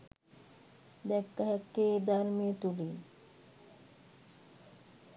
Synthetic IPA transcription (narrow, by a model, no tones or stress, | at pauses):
d̪ɛkːaɦɛkːed̪aɾmet̪uli